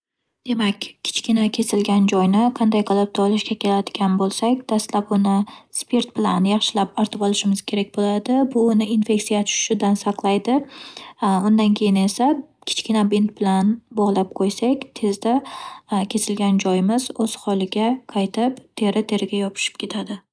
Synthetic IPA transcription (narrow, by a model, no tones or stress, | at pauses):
d̪̥e̞makʲʰːɪ̥t͡ʃkʲɪnakʲʰe̞sɪlɡʲand͡ʒɒjnɪqʰɑnd̪ajqʰɑlˠap̚t̪ʰɒlˠɪʃkʲakʲe̞lad̪ɪɡʲanbolˠsakʲd̪̥ast̪lapʊnɪspʰe̞ɾt̪̚bɪlanjɑχʃɪlapɒɾt̪ʰɨpɒlˠɪʃɪmɪz̥kʲʰe̞ɾak̚ʲbolad̪ɪbʊːnɪinfe̞ksijat̪ʰʊʃʃɪd̪ansɑqlˠajd̪ɪ | ʊnd̪ankʲʰe̞jɪne̞sa | kʲʰɪ̥t͡ʃkʲɪnabint̪̚bɪlanbɒʁlˠap̚qʰojsakʲt̪ʰe̞zd̪akʲʰe̞sɪlɡʲand͡ʒɒjɪmɪzoz̥hɒlˠɪɡʲaqʰɑjt̪ʰɪpt̪ʰe̞ɾɪt̪ʰe̞ɾɪɡʲajɒpʰɪ̥ʃɪ̥p̚kʲʰe̞t̪ʰad̪ɪ